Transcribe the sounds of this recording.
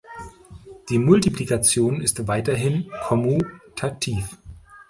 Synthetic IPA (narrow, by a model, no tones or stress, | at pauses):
d̥iːmʊltiplikat͡sjoːnɪstv̥aɪtɐɦɪnkʰɔmutʰak̚tʰiːf